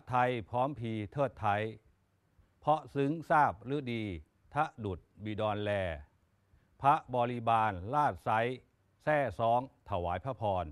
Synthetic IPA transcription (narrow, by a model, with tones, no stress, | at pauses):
t̪ʰa˧jpʰɔː˦˥mpʰiː˧t̪ʰɤː˥˩t̪ʰːa˧˥j | pʰɔ˦˥ʔsɯ˦˥ŋsaː˥˩p̚ɾɯ˦˥diː˧ | t̪ʰa˦˥ʔdu˨˩t̪̚biː˧dɔː˧nlɛː˧ | pʰa˦˥ʔbɔː˧li˧˥baː˧nlaː˥˩t̪̚sa˦˥j | sɛː˥˩sɔː˦˥ŋt̪ʰa˧˩waː˩˦jpʰa˦˥pʰɔː˧n